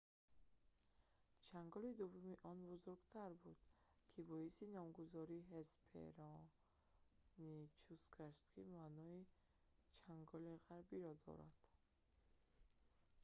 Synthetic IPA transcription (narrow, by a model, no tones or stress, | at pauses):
t͡ʃʰaŋɡɔlid̪uvːumiʔɔnbuzuɾɡt̪ʰaɾbud̪̥ | kʰibɔisinɔmɡuzɔɾiːɦespʰḛɾɔ | nit͡ʃʰusɡaʃt̪̚kʰimanɔi | t͡ʃʰaŋɡɔliʁaɾbiɾɔd̪ɔ̰ɾa̰d̪̥